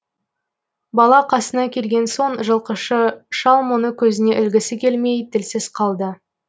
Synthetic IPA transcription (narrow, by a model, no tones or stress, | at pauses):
bɑlˠɑqʰɑsənɑkʲʰe̞lɡʲe̞nso̞ɴʒəlˠqəʃəʃɑlˠmonəkʲʰɵzɪne̞ʔɪlɡʲɪsɪkʲʰe̞lme̞jt̪ʰɪlsɪz̥qʰɑlˠd̪ə